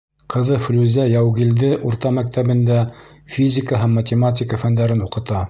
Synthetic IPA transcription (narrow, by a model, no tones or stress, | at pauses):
qɤ̆ðɤflʲʉzæjæwɣild̪ɘʔuɾt̪ɑmæk̚t̪æβɘ̆nd̪æfʲizʲɪkəɦæmːɐtʲɪmat̪̬ʲɪkəfænd̪æɾɘnuqɤ̆t̪ɑ